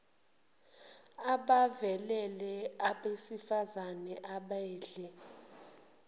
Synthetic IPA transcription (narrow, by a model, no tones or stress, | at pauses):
aɓavɛlɛlɛaɓesifazanɛʔaɓɛːɮɛ